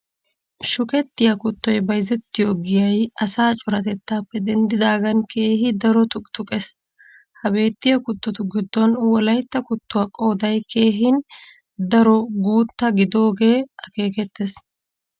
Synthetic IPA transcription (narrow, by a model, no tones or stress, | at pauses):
ʃʊkʼɛt̪ːɪjɐkʊt̪ːɔjbɐjzɛt̪ːɪjoɡɪjɐjɐsaːt͡ʃʼʊɾɐt̪ɛt̪ːaːpːɛd̪ɛnd̪ɪd̪aːɡɐnkʰe̞ːɦɪd̪ɐɾɔt̪ʊkʼt̪ʊkʼɛs | hɐbe̞ːt̪ːɪjɐkʊt̪ːɔt̪ʊɡɪd̪ːɔnwɔlɐjt̪ːɐkʊt̪ːʊwɐkʼo̞ːd̪ɐjke̞ːɦɪn | d̪ɐɾɔɡuːt̪ːɐɡɪd̪o̞ːɡe̞ːɐke̞ːkɛt̪ːes